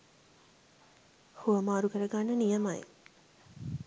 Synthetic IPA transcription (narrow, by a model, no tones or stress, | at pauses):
huʋəmaːɾukəɾəɡanːənijəmaj